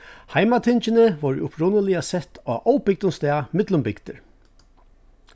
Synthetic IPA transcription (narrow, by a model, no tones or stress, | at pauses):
hajmat̪ʰɪnt͡ʃɪnɪʋɔːɹʊpɹʊnəlɪasɛt̪aːʔɔwpɪk̚t̪ʊŋst̪ɛːmɪt̪lʊmbɪkt̪əɹ